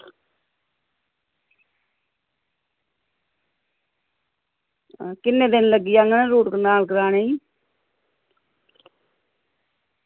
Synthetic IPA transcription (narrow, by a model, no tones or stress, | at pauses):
kɪnːẽːd̪ɪnləɡiːjaːŋəneːɾuːʈkənaːlkəɾaːnei